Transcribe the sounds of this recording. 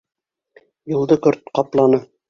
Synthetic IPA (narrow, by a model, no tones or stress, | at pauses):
jŭlˠd̪ɤkɵɾt̪̚qɑplˠɑnɤ